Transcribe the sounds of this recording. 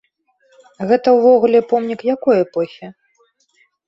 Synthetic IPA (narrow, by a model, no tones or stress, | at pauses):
ɣɛt̪ɐwvɔɣulʲɛpɔmnʲikjakɔjɛpɔxʲɛ